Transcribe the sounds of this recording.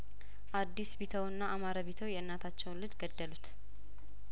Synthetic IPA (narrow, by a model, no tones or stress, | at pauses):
ʔad̪ːisbet̪ʰəwɨnːaʔamaɾaβet̪ʰəwjɛɨnːat̪ʰat͡ʃːɛwnlɨt̪ɡəd̪ːəlut̪